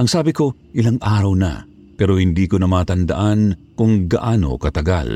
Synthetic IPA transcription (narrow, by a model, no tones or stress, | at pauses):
ʔɐŋsaːbɪko̞ʔɪlaŋʔaːɾɐwnɐ̰ | pɛːɾo̞hɪnd̪iːkonɐmaːt̪ɐnd̪ɐ̰ʔankʊŋɡɐʔaːno̞̰kɐt̪ɐɡa̰l